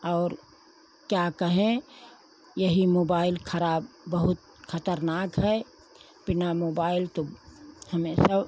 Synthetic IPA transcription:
ɔːɾ | kjakəɦẽ | jɐɦimoːbaːɪlkʰəɾaːbːəɦʊt̪̚ | xʰɐt̪əɾnaːkɦɛ | b̥ɪnamoːbaːɪlt̪ohəmẽsəb

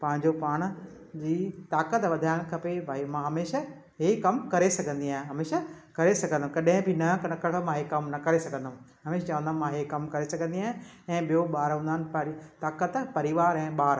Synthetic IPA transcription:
pɐ̃ɦɪ̃ɲd͡ʑopaːɽ̃̆ | d͡ʑiːt̪aːkət̪ʋɐd̪ʱaːɪɽ̃kʰɐpebʱaːimãːɦɐmeːʃa | ɦekɐmkɐɾesɐɡʱə̃nd̪iaːɦɪ̃ẽɦɐmeːʃakɐɾesɐɡʱə̃nd̪̃kɐɗ̃ɦɪ̃bʱɪnɐnɐkɐɾmãɦekɐmnɐkɐɾesɐɡʱə̃nd̪ũ | ɦɐmeːʃt͡ɕɐʋə̃nd̪ənmãɦekɐmkɐɾesɐɡʱə̃nd̪iaːɦɪ̃ | ɛ̃ːɓijoɓaːɾɦũnd̪aːnɪ̆pɾt̪aːkət̪pɐɾɪʋaːɾɛ̃ːɓaːɾ

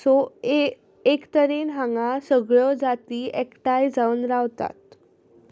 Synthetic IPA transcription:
so | ekt̪əɾenɦãŋɡasəɡɭɔd͡zat̪iːɛkʈajd͡zaunɾaʋt̪a̰t̪̚

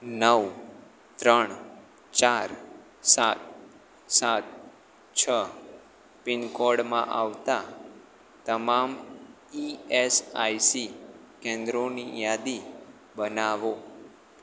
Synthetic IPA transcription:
nəʋ | t̪ɾəɳ | t͡ʃaɾ | sat̪̚ | sat̪̚ | t͡ʃʰə | pɪnkɔɽmã̰ʔaʋt̪a | t̪əmam | iesa̰jsi | kɛ̃nd̪ɾonijad̪i | bənaʋo

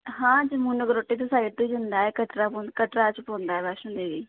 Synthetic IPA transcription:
ɦãːd͡ʒəmuːnəɡəɾoːʈːiːt̪oːsaːit̪oid͡ʒənd̪aːɛːkəʈɾaːpokəʈɾaːt͡ʃpõːnd̪aːɛːʋɛːʃõnd̪eːʋiː

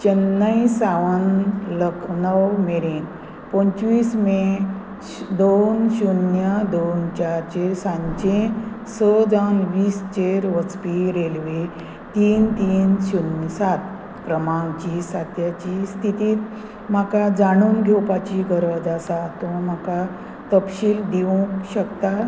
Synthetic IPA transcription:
t͡ɕənːəisaʋənləkʰnəwmeɾiːn | pɔ̃ɲt͡ɕʋiːsme | d̪onɕunjəd̪ont͡ɕaɾt͡ɕeɾsãɲd͡ʑẽsəd͡zawnʋiːst͡ɕeɾʋət͡spiɾelʋe | t̪iːnt̪iːnɕunəsat̪̚ | pɾəmaŋt͡ɕisat̪jat͡ɕist̪ʰit̪iːt̪ | m̤akad͡zaɽ̃uːŋɡʱewpat͡ɕiɡʱəɾəd͡zasat̪omaka | t̪əpɕiːld̪iũkɕəkt̪a

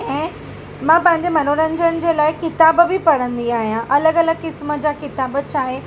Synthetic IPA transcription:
ɛ̃ː | mãːpɐ̃ɦɪ̃ɲd͡ʑemɐnoːɾə̃ɲ̆d͡ʑənɪ̆d͡ʑeːlaːɪkɪt̪aːbbɪpɐɽə̃nd̪iaːɦijãʔɐləɡɐləɡkɪsmə̆d͡ʑaːkɪt̪aːbt͡ɕʰaːɦe

